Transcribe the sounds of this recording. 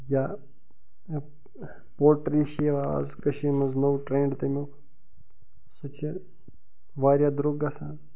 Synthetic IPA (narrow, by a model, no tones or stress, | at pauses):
jaː | poːʈɾiʃeʋa̰zkɐʃimɐznowʈɾẽːɳɖt̪ɐmʲokʰ | sɐt͡ʃʰɐ | ʋaːɾʲjaːd̪ɾuɡasaːn